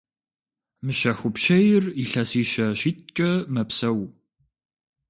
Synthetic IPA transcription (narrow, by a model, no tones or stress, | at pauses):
mɨɕɐxʷʊpʃɐjɪriɬɐsiːʃɐɕiːt̪̚t͡ʃʼɐmɐpsɐw